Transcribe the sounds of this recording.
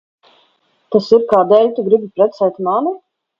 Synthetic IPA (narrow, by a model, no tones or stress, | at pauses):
t̪asiɾkaːd̪ɛːlʲt̪uɡɾibipɾɛt̪sɛjt̪mani